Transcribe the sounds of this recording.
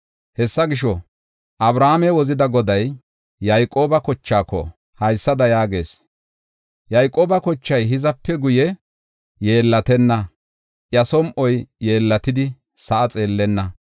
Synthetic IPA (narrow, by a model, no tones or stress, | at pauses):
hɛsːɐɡɪʃɔ | ʔɐbɾaːmɛwɔzɪd̪ɐɡɔd̪ɐjː | ɐjkʼo̞ːbɐkɔt͡ʃːaːkːɔ̰ | hɐjsːɐd̪ɐjaːɡe̞̰ːs | jɐjkʼo̞ːbɐkɔt͡ʃːɐjɦɪzɐpːɛɡʊjɛ | je̞ːlːɐt̪ɛnːɐ | ʔjɐsɔmʔɔjje̞ːlːɐt̪ɪd̪ɪ | sɐʔɐt͡sʼe̞ːlːɛnːɐ